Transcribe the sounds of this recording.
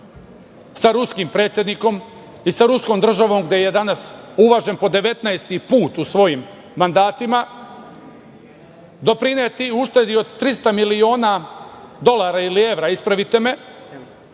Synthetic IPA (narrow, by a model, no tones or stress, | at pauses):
saɾuskimpɾe̞ːt̪sjed̪niko̞m | isaɾuskomd̪r̩ʒaʋo̞mɡd̪eje̞d̪anasuʋaʒe̞npo̞d̪e̞ʋe̞t̪naest̪ipuːt̪usʋo̞jimː | and̪aːt̪ima | d̪o̞pɾinet̪iuʃt̪e̞d̪io̞d̪t̪ːɾist̪amilio̞ːnad̪o̞lˠaːɾailie̞ʋɾaispɾaʋit̪e̞me̞